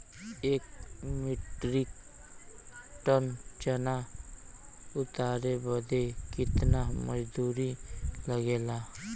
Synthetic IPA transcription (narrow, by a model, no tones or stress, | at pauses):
eːkmɪʈɾɪk | ʈənt͡ʃəna | ʊt̪aːɾebəd̪ekɪt̪naməd͡ʒd̪uːɾiləɡeːla